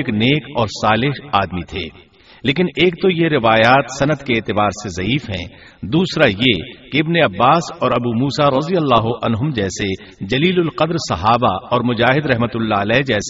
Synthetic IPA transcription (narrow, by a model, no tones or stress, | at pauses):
kneːkɔːɾsaːlɪɦaːd̪mit̪ʰḛː | leːkɪneːkt̪ojeɾɪʋaːjaːt̪sɐnəd̪keːt̪ɪbaːɾsezɐiːfɦɛ̰̃ | d̪uːsɾajekeɪbneɐbːaːsɔːɾɐbuːmuːsaɾɐzijəlːaːɦʊʔɐnɦʊmd͡ʒɛːse | d͡ʒɐliːlʊlqɐd̪ɾsɐɦaːba̰ɔːɾmʊd͡ʒaːɦɪd̪ɾɛɦmət̪ʊlːaəlɛːd͡ʒɛːs